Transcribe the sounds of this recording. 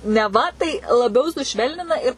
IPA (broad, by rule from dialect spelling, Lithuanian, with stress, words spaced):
nʲɛˈʋɐ tɐɪ lˠɐˈbʲɛʊ sʊˈʃʲʋʲɛlʲnʲɪnɐ ɪr